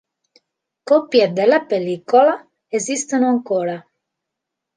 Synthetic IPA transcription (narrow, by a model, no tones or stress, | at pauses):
kɔpjed̪elːapeliːkola | ezist̪onoaŋkoːɾa